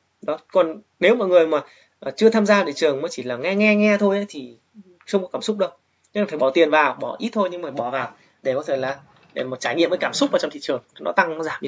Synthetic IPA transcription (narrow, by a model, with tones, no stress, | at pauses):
ɗɔ˨˦kɔ˨˩n | ne˨˦wmɔ̰˧˨jŋɨ˨˩əjmaː˨˩ | ʔt͡ɕɨ˧ət̪ʰaː˧mzaː˧t̪i˧˨t͡ɕɨ˨˩əŋməː˨˦jt͡ɕi˧˩laː˨˩ŋɛ˧ŋɛ˧ŋɛ˧t̪ʰo˧jʔə˨˦jt̪ʰi˨˩ | xə˧wŋ͡mkɔ˨˦kaː˧˩msʊ˦˥k͡p̚ɗə˧w | ɲɨ˧ŋ˨˩faː˧˩ɓɔ˧˩t̪i˨˩ənvaː˨˩wɓɔ˧˩ʔi˦˥t̚t̪ʰo˧jɲɨ˧ŋfaː˧˩jɓɔ˧˩vaː˨˩w | ɗe˧˩kɔ˨˦t̪ʰe˧˩jlaː˨˩ | ɗe˧˩mo˨˩t͡ɕaː˧˩jŋḭ˧əməː˨˦jkaː˧˩msʊ˦˥k͡p̚vaː˨˩t͡ɕɔ˧wŋ͡mt̪ḭ˧˨t͡ɕɨ˨˩əŋ˨˦nɔ̰˨˦t̪a˧ŋ˨˦zaː˧˩m˧